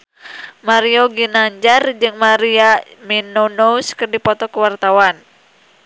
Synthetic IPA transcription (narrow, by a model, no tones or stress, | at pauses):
maɾioɡinaɲd͡ʒard͡ʒɨŋmaɾiaminonouskɨrdipɔt̪ɔkəwart̪awan